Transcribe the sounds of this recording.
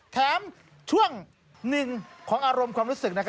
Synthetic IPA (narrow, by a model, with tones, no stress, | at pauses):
t̪ʰɛː˨˦˥m | t͡ɕʰu˥˩əŋ | nɯ˨˩ŋkʰɔː˩˦ŋʔaː˧ɾo˧mkʰwaː˧mɾuː˦˥sɯ˨˩k̚na˥kʰ